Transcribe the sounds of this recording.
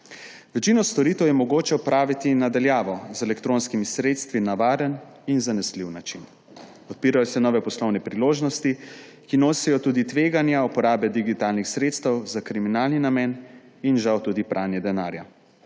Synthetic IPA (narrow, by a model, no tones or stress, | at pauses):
ʋɛt͡ʃinɔst̪ɔɾiːt̪ɛwjɛmɔɡoːt͡ʃɛɔpɾaːʋit̪inad̪aljaːʋɔzɛlɛkt̪ɾoːnskimisɾeːt̪st̪ʋinaʋaːɾən | inzanɛsliwnat͡ʃin | ɔt̪̚piːɾajɔsɛnɔːʋɛpɔslɔwnɛpɾiloːʒnɔst̪i | kinoːsɛjɔt̪uːd̪it̪ʋeːɡanjaupɔɾaːbɛd̪iɡit̪aːlnixsɾeːt̪st̪əwzakɾiminaːlninamɛːn | inʒawt̪uːd̪ipɾʔaːnjɛd̪ɛnaːɾja